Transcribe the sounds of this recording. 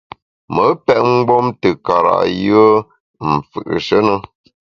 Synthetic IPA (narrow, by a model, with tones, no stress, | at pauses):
mə˨˦pɛ˦ʔ̚ŋ̩˦ɡ͡bo˦mtə˨ka˨ɾa̰˨ʔjɰə˦ | m̩˨fɯ̰˨ʔʃə˦nə˦